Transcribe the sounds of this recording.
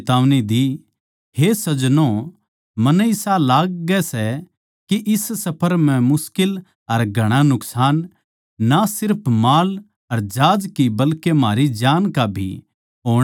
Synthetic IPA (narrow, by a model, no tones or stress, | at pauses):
t̪aːʋnid̪i | hesɐd͡ʒnõ | mɐnɛɪsalaːɡ̚ːɛsɛ | kiʔɪssɐpʰəɾmɛ̃mʊskɪl | ɐɾɡʱɐɽ̃anʊksaːnː | asɪɾpʰmaːl | ɐɾd͡ʒaːd͡ʒkibɐlkemaːɾid͡ʒaːnkabʱḭ | ɦoːɽ̃